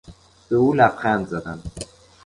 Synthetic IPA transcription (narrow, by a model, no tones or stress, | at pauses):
b̥euːlæfxænd̪zæd̪æn